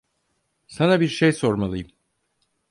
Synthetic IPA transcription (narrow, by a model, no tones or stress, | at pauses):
sanabiɾʃejso̞ɾmalˠɯjɯm